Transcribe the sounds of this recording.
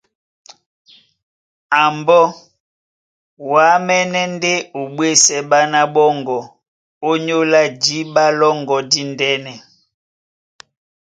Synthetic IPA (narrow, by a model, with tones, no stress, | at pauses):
a˨mbɔ˦ | wa˨˦mɛ˦nɛ˦nde˦o˨ɓwe˦sɛ˦ɓa˦na˦ɓɔ˦ŋɡɔ˨ | o˦ɲo˦la˦d͡ʒi˦ɓa˦lɔ˦ŋɡɔ˨di˦ndɛ˦nɛ˨